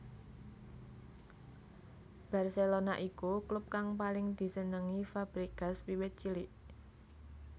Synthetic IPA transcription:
b̥a̤rselonaʔikuklup̚kaŋpalɪŋd̪̥i̤sənəŋifab̥ɾiɡ̥a̤swiwet̪̚t͡ʃiliʔ

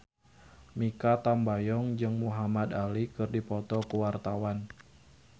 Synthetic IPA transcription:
mikat̪ambajɔŋd͡ʒɨŋmuɦamad̪alikɨrdipɔt̪ɔkuwart̪awan

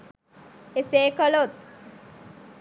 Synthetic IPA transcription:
eseːkəlot̪̚

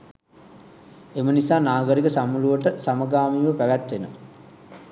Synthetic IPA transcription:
emənisaːnaːɡəɾikəsamuluʋəʈəsaməɡaːmiːʋəpæʋæt̪ʋenə

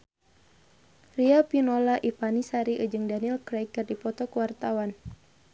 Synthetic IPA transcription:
riapinɔlaʔipanisaɾiʔəd͡ʒɨŋdanilkɾɛjkərdipɔt̪ɔkuwart̪awan

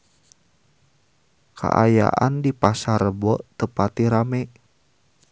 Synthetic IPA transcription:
kʰa̰ʔa̰ja̰ʔa̰ndipasaɾəbɔt̪əpat̪iɾamɛ

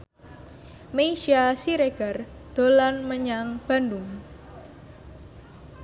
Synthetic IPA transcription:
meiʃiasiɾeɡ̥a̤rd̪̥o̤lanməɲaŋb̥a̤nduŋ

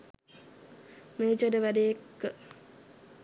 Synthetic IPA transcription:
meːd͡ʒədəʋædeekːə

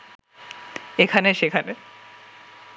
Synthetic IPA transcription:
ekʰaneʃekʰane

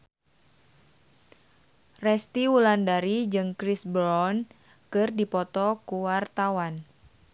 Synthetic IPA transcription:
rɛst̪iulandaɾid͡ʒɨŋkɾisbɾɔn | kɨrdipɔt̪ɔkuwart̪awan

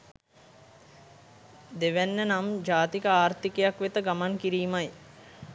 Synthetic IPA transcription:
d̪eʋænːənamd͡ʒaːt̪ikəaːrt̪ikejakʋet̪əɡamaŋkiɾiːmaj

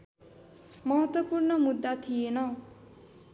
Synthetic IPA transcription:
mʌɦʌt̪wʌpurnʌmud̪ːat̪ʰijenʌ

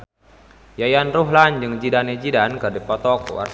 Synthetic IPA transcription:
jajanruɦland͡ʒɨŋd͡ʒidaned͡ʒidankɨrdipɔt̪ɔkṵa̰r

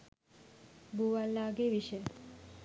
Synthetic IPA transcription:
buʋalːaɡeʋiʃe

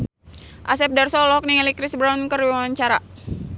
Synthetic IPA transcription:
ʔasɛp̚dɛrsɔlɔk̚niŋɛlikɾisbɾankəɾiaaɲt͡ʃaɾa

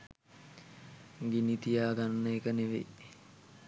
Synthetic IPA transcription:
ɡinit̪ijaːɡanːəekəneʋḛ

